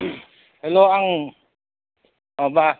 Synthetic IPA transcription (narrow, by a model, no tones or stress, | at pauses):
hɛloaŋ | ɔba